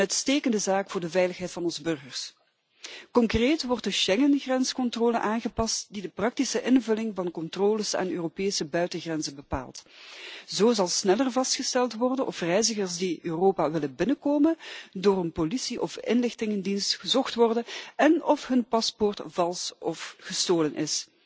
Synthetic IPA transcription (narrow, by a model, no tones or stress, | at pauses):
əœɥtsteːkəndəzaːkfʊːrdəvɛjləxɦɛjtfɑnɔnzəbɵrɣərs | kɔŋkreːtʋɔrtdəʃɛŋənɣrɛnskɔntroːlənʔaːnɣəpɑstdidəprɑk̚tisəʔɪnvɵlɪŋvɑnkɔntroːləsa̰ːnø̰ːropeːsəbœɥtəɣrɛnzənbəpa̰ːlˠt | zoːzɑlˠsnɛlərvɑstxəstɛlˠtʋɔrdənʔɔ̰frɛjzəɣərsdiʔøːroːpaːʋɪləbɪnəkoːməndoːrənpolisiʔɔfɪ̰nlɪxtɪŋəndinstxəzɔxtʋɔrdənɛnɔfɦɵnpɑspɔrtv̥ɑlˠsɔfɣəstoːlənʔɪ̰s